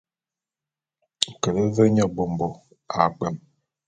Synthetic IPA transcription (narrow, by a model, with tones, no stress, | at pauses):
ŋ̩˨kə˨ɾə˦zə˦ɲɔ˦˨bo˨mbo˨ | a̰˨ɡ͡bə˨m